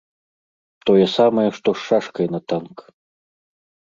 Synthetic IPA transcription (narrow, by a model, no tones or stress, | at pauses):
t̪ɔjɐsamɐjɛʂt̪ɔʂːaʂkɐjnɐt̪ank